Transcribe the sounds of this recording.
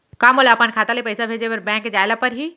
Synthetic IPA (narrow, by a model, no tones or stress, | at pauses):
kaːmolaːpankʰaːt̪alepɐɪsabʱeːd͡ʒeɐɾbɛ̃ːkd͡ʒaːɪlapɐɾɦi